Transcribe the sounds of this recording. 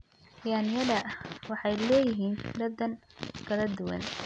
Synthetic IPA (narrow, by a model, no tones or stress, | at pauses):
jaːnɪjɐðɐwɑħɑjlɛːjɪɦiːnd̪ɐd̪ɐnkʰɐlɐd̪ʊwɐ̰n